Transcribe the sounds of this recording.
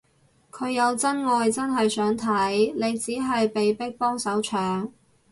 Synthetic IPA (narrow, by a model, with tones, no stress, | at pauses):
kʰɵ˨˧ɥjɐ˨˧wt͡sɐ˥nŋɔː˨˧jt͡sɐ˥nɦɐ˨jsœː˨˥ŋt̪ʰɐ˨˥jle˨˧jt͡siː˨˥ɦɐ˨jpe˨jpɪ˥k̚pɔː˥ŋsɐ˨˥wt͡ʃʰœː˨˥ŋ